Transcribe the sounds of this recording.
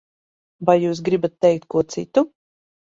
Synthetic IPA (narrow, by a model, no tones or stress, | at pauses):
vajːuːs̬ɡɾibat̪ːɛjk̚t̪̚kuɔt̪sḭt̪u